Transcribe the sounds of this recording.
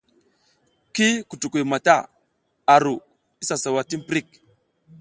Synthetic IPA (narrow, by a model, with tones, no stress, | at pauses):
ki˦ku˨tu˨ku˨ma˨ta˦˨ | a˨ɾu˨ | i˦sa˨sa˨wa˨ti˦n˦pɾi˦˨k̚